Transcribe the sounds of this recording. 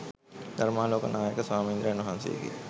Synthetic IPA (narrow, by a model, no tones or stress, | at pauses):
d̪̥ʱɐɾmaːloːkɐnaːjɐkɐsʋaːmind̪ɾɐjɐnːuɦaːnsḭːɡḭ